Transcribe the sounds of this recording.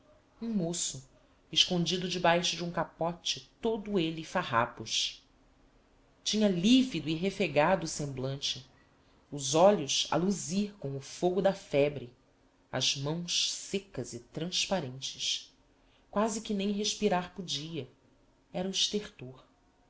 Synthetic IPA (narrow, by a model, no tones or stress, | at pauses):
ũmosʊ | ɪʃkõnd͡ʒid̪ʊd͡ʒɪbajʃʊd͡ʒɪũŋkapɔt͡ʃɪt̪od̪ʊelifaɦa̰pʊʃ | t͡ʃĩɲɐlivid̪ʊiɦefeɡad̪ʊːsẽmblɐ̃nt͡ʃɪ | ʊzɔʎʊʃɐ̰luziɾkõw̃ʊfoɡʊd̪ɐfɛbɾɪ | ɐ̰zmɐ̃w̃ʃsekɐzɪt̪ɾɐ̃ʃpaɾẽnt͡ʃɪ̥ʃ | kwazɪikɪnẽj̃ɦeʃpiɾaɾpod͡ʒiɐ | ɛɾɐuiʃt̪eχt̪oɾ